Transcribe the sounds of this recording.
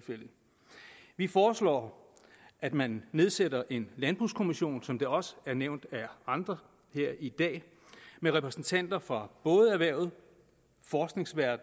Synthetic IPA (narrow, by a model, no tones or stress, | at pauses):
fel̰ | ʋifɒːslɒ̰ː | ʔæd̥mænːe̝ð̞ˠsedɐʔe̝nlænb̥ʁṵːskʰo̝miɕo̝̰ːnsɒ̽md̥eɒ̽sə̥æɐneʊnd̥æɑ̈nd̥ʁɐ | heɐ̰id̥ɛ̰ː | meʁɛpʰʁɛsn̩t͡sʰæn̰d̥ɐfʁɑ̈b̥ɔ̽ːð̞̩ˠæɐʋæɐ̰ʊð̩ˠ | fɒːsɡ̥ne̝ŋsʋæɐd̥n̩